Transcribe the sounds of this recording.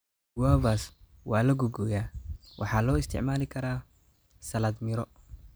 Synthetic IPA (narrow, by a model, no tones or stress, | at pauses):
waːβaːs | wɑːlɐɡʊɡɔːjaːwʔɑ̰ħɑːlɔːɪst̪ʰɪ̰ʕmaːlɪkʰɐɾaː | sɐlɐd̪mɪɾɔ